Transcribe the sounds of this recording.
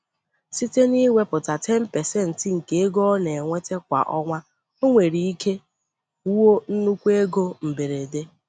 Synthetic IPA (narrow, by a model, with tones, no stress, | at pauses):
si˦te˦ni˦wʷe˦pʊ˨ta˨te˦m̩˦pe˨se˦n̩˨ti˨˦ŋ̩˨ke˦e˦ɡɔ˦ne˨e˨ŋʷe˦te˦kʷa̰˨ʔɔ˦ŋʷa˦ | o˦ŋʷe˨ɾi˨i˦kʰe˦ | u˦wo˦n̩˦nu˦kʷe˦ɡo˦m̩˨be˨ɾe˨de˦